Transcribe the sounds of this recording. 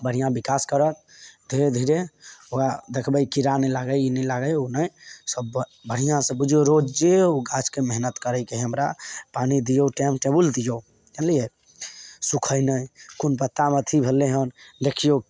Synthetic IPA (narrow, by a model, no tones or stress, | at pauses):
bəɽ̤ijãbikaskəɾək̚d̪ʱiɾed̪ʱiɾeoad̪ekʰbəjkiɾanɛlaɡəjinɛlaɡəjonəjsəbbəɽ̤ijãsə̃bud͡ʒʱoɾod͡ʒd͡ʒeoɡat͡ʃkemeɦnət̪kəɾəjkeɦəmɾapanid̪ijoʈɛmʈebuld̪ijo | kenlie | sukʰəjnəjkunpət̪ːamət̪ʰibʱəlːeɦənd̪ekʰijo